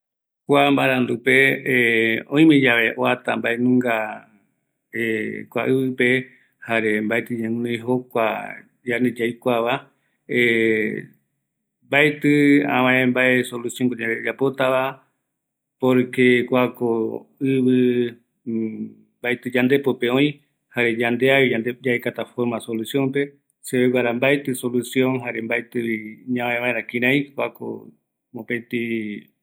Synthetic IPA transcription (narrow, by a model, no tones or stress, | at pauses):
kʷambaɾãnd̪upe̞ | õĩmẽd͡ʒaʋe̞ʔoat̪ambaenũŋɡa | ekʷa̰ʔɨβɨpe̞ | haɾe̞mbaet̪ɨɲẽũnõjɦo̞kʷa̰ | d͡ʒaned͡ʒajkʷaβa | e | mbaet̪ɨã̰wãẽmbae̞solusjoŋkod͡ʒãɾed͡ʒapo̞t̪aβa | poɾɨkekʷakoɨβɨ | mbajt̪ɨd͡ʒand̪e̞popeõĩ | haɾe̞d͡ʒand̪eaβiad̪ed͡ʒaekat̪afoɾmasolusjõ̞mpe̞ | seβeɡʷwaɾambaet̪ɨso̞lusjõ̞ŋɦaɾe̞mbaet̪ɨiɲããẽβãeɾãkĩɾ̃ãĩkʷako̰ | mopet̪i